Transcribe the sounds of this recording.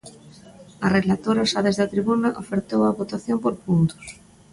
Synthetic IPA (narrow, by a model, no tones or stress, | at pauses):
arelat̪oɾaoʃaðezðat̪ɾiβunaʔofeɾt̪owaβot̪aθjompoɾpunt̪o̥s